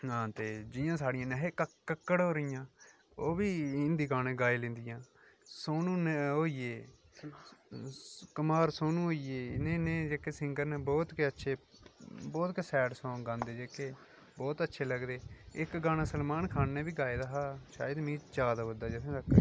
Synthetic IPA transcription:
ɦãːt̪eːd͡ʒɪjãːsaːɽɪjãːneɦeːkəkəkːəɽɦoːɾijãː | oːbiːɪnd̪iːɡaːñẽːɡaːiːlẽːnd̪ɪjãː | soːnũːneɦoːiːeː | kəmaːɾsoːnũːɦoːiːeːɪnẽːnẽːd͡ʒeːkeːsɪŋɡəɾnẽːbɔːt̪keətːʃʰeː | bɔːt̪kesɛːʈsõːɡãːnd̪eːd͡ʒeːkeː | bɔːt̪ətːʃʰeːləɡd̪eːɪkɡãːnãːsəlmaːnkʰaːnːẽːbiːɡaːeːd̪aɦaːʃa̰ːjəd̪mĩːd͡ʒaːd̪aːʋəd̪aːd͡ʒɛtʰẽːd̪əkː

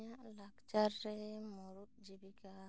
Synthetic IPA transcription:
aʔlakt͡ʃaɾːɛmɔɾut̪̚d͡ʒibika

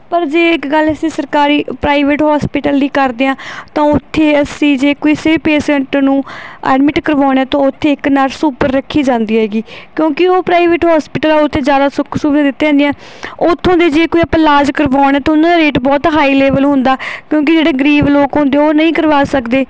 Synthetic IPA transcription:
pəɾd͡ʒeːɪkɡələsĩːsəɾkaːɾiːpɾaːiʋeːʈɦɔːspɪʈəld̪iːkəɾd̪eːãːt̪ãːʊt̪ʰːeːəsĩːd͡ʒeːkoːiːsepeːsə̃ɳʈnũːɛ̰ːɖmɪʈkəɾʋaːɳɛːt̪ãːʊt̪ʰːeːɪknaːɾsuːpəɾːəkʰːiːd͡ʒãːnd̪iːɦɛːɡiːkjõːkɪoːpɾaːɪʋeːʈɦɔːspɪːʈəlaːʊt̪ʰːeːd͡ʒjaːd̪aːsʊkʰsuːbd̪ãːd̪ɪt̪ːeɛ̃nd̪eɛ̃ː | ot̪ʰːõːnd̪eːd͡ʒeːkoːiəplaːd͡ʒkəɾʋaːɳ̃ɛːt̪ːʊnãːd̪ːɾeːʈbɔːt̪ɦaːiːleːʋəlɦʊ̃nd̪aːkjõːk̬ɪd͡ʒeːɽeːɡəɾiːʋloːkɦʊ̃nd̪eːoːnəĩːkəɾʋaːsəkd̪eː

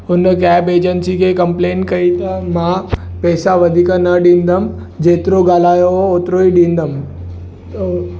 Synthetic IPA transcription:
ʊnəkɛːbeːd͡ʑənsikʰekɐ̃mpleːnkɐit̪ɐmã | pɛːsaʋɐd̪ʱikanɐɗĩːnd̪əm | d͡ʑeːt̪ɪɾoɡaːl̤aːjoɦooːt̪ɾoiɗĩːnd̪əm | t̪o

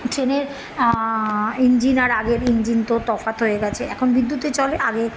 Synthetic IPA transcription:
ʈɾeneɾ | ind͡ʑinaɾaɡeɾind͡ʑint̪ot̪ɔfat̪ɦoeɡɛt͡ɕʰeʔɛkʰonbid̪ːut̪et͡ɕɔleʔaɡeɾ

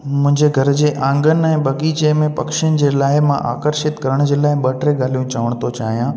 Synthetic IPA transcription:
mʊ̃ɦɪ̃ɲd͡ʑeɡʱɐɾd͡ʑeːʔãːŋɡənɪ̆ɛ̃ːɓɐɠiːt͡ɕemẽpɐkʃənɪ̆d͡ʑeːlaːɪmãʔa̰ːkəɾʃɪt̪kɐɾəɽ̃ʊd͡ʑeːlaːɪɓɐʈɾeɡaːlijũt͡ɕaːʋəɽ̃t̪ʰot͡ɕaːɦijãː

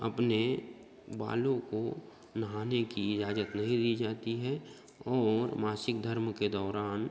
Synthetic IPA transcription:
ə̰pne | ba̰ːlõko | nəɦaːnekiɪd͡ʒaːzət̪nɐɦĩd̪iːd͡ʒaːt̪iɦɛ | ɔːɾmaːsɪkd̪ʱəɾmked̪ɔːɾaːn

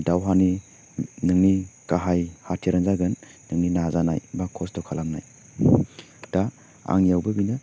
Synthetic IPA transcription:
dawɦani | nɯŋnikaɦajhatʰiɾanzaɡɯnːɯŋninazana̰jbakʰɔstɔkʰalaŋna̰j | d̥a | a̰ŋjawbəbinɯ

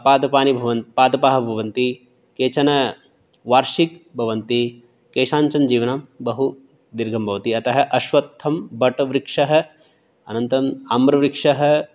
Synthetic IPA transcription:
paːd̪ɐpaːnibʱɐʋɐnt̪paːd̪ɐpaːɦɐ̆bʱɐʋɐnt̪i | keːt͡ʃɐnɐ | ʋaːɾʃik̚bʱɐʋɐnt̪i | keːʃaːɲt͡ʃɐnd͡ʒiːʋɐnaːmbɐɦu | d̪iɾɡʱɐmbʱɐʋɐt̪iɐt̪ɐɦɐ̆ʔɐʃʋɐt̪ʰːɐmbɐʈɐʋɾikʂɐɦɐ̆ | ɐ̰nɐnt̪ɐmamɾɐʋɾikʂɐɦɐ̆

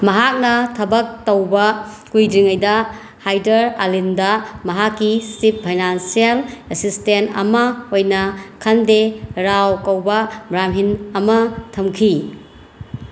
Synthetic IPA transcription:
mɐɦak̚nɐtʰɐbɐk̚tɐwbɐ | kujdɾiŋɐjdɐ | hajdɐɾa̰lindɐmɐɦakːisip̚pʰajnansielesistentɐ̰mɐojnɐkʰɐndeɾawkɐwbɐbɾamɦinɐmɐtʰɐmkʰi

